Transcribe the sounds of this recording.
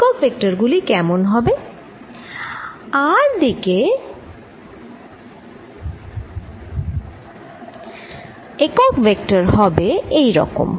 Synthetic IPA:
kɔkbʱek̚ʈaɾɡulikɛmonɦɔbe | aɾd̪ike | ekɔkbek̚ʈaɾɦɔbeejɾɔ̰ko̰m

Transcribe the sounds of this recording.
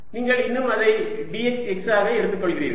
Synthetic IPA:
niːŋɡɐɭɪnːɯmɐðɐɪɖiɛt͡ʃɛksaːɣɐɛɽɯt̪ːɯkːɔɭɣɪrḭːð

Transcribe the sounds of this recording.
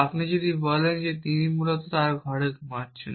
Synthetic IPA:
apnid͡ʑod̪ʱibɔlend͡ʑet̪inimulot̪ot̪aɾɡʱɔɽekmaɾt͡ɕʰen

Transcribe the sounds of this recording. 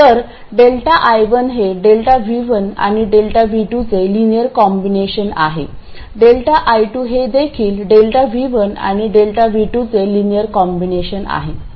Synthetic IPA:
t̪əɾ | ɖelʈaʔajʋənɦeɖelʈaʋiʋəna̰ɽ̃iɖelʈaʋiʈut͡selinijəɾkɔmbineɕəna̰ɦḛ | ɖelʈaʔajʈuɦed̪ekʰiːlɖelʈaʋiʋəna̰ɽ̃iɖelʈaʋiʈut͡selinijəɾkɔmbineɕəna̰ɦe

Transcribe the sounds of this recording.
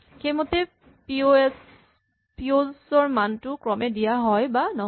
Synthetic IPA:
xejmɔtɛ | ps | piozɔɹmantʊkɹɔmɛdijaɦɔjbanɔ

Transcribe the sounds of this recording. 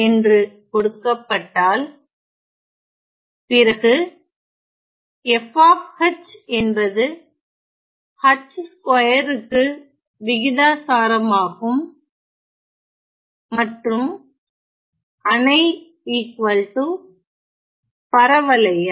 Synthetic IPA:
ɛndrɯkɔɽɯkːɐpːɐʈːaːl | pɪɾɐɣɯ | ɛfaːfhɐt͡ʃːɛnbɐðɯ | hɐt͡ʃːskɐjɐɾɯkːɯ | ʋɪɣɪðaːsaːɾɐmaːɣɯm | ɐʈrɯm | ɐnɐɪ | iːkʋɐlʈu | pɐɾɐʋɐlɐjɐ

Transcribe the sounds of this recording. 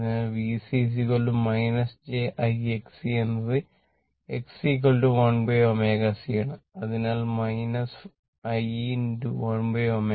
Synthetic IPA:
naːlʋisis̬ikoɭɖumɐjnɐsd͡ʑeːʔɐjeksienːɐðɨ | eksikolɖuʋɐɳbeoːmeɣɐsijaːɳɨɐðinaːlmɐjnɐs | ɐjnduʋɐɳbeoːme

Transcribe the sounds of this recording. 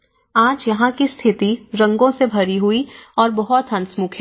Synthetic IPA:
aːd͡ʒjɐɦãkist̪ʰɪt̪iɾɐ̃ŋɡõsebʱɐɾiɦuiɔːɾbɐɦɔt̪ɦɐ̃nsmʊkʰɦɛː

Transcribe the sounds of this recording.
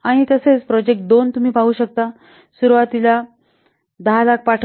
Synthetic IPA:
aɽ̃it̪əset͡spɾɔd͡ʑek̚ʈ̚d̪ont̪um̤iːpaɦuːɕək̚t̪a | suɾʋat̪ila | d̪əɦalak̚ʰpaʈʰ

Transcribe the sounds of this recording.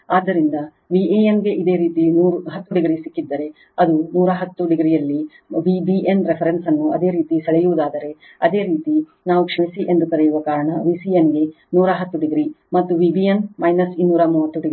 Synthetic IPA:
aːd̪ʱːɐɾind̪ɐ | ʋieemɡe̞ʔid̪e̞ːɾiːt̪inuːɾuɦɐt̪ːuɖiɡɾisikːid̪ːɐɾe | ɐd̪unuːɾɐɦɐt̪ːuɖiɡɾijɐlːi | ʋibiʔenɾepʰɐɾensɐnːuʔɐd̪e̞ːɾiːt̪isɐɭɛjuʋud̪aːd̪ɐɾe̞ | ɐd̪e̞ːɾiːt̪i | naːʋukʂɐmisiʔe̞nd̪uk̪ɐɾɛjuʋɐkaːɾɐɳɐʋisienɡe̞ | nuːɾɐɦɐt̪ːuɖiɡɾimɐt̪ːuʋibienmɐjnɐsinːuːɾɐmuːʋɐt̪ːuɖiɡɾi

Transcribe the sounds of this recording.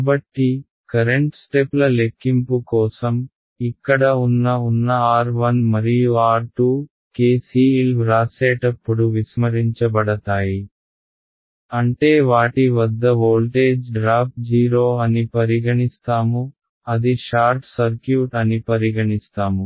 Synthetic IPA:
abɐʈːi | kɐɾeɳʈsʈeplɐlekːimpukɔːsɐm | ikːɐɽɐunːɐunːɐaːɾʋɐnmɐɾijuaːɾʈuː | keːsiːilʋɾaːseːʈɐpːuɽuʋismɐɾiɲt͡ʃɐbɐɽɐt̪aːji | ɐɳʈeːʋaːʈiʋɐd̪ːɐʋoːlʈeːd͡ʒɖɾaːp̚d͡ʒiːɾoːɐnipɐɾiɡɐɳist̪aːmu | ɐd̪iʃaːɾʈsɐɾkjuːʈɐnipɐɾiɡɐɳist̪aːmu

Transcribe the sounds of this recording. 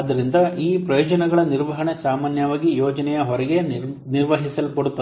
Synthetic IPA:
ɐd̪ɐɾind̪ɐʔiːpɾɐjoːd͡ʒɐnɛɡɐɭɐniɾʋɐɦɐɳesaːmaːnjɐʋaːɡijɔːd͡ʒɐnɛjɐɦɔɾɛɡe̞niɾʋɐɦisɐlkoɽut̪ːɐ

